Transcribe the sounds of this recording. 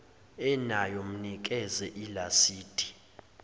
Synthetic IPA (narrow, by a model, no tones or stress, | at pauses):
ɛnajɔm̩nik̬ʼɛzɛʔilasiːd̥ʱʼi̥